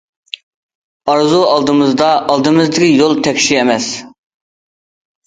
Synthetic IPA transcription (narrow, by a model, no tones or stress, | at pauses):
ɑɾzuɑlˠd̪ɨmɨzd̪ɑʔːlˠd̪ɨmɨzd̪ɪkʲijolˠt̪ʰɛkʲʃiemɛs